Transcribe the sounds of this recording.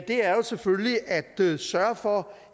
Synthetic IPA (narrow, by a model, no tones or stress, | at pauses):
d̥e̝æɐjo̝seføliʔæd̥əsɶɐfɒ̽